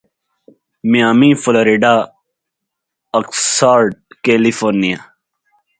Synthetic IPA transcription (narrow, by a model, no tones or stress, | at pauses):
mijaːmĩːfuloɾiɖa | ɐksaːɾɖ̚keːlifoːɾnija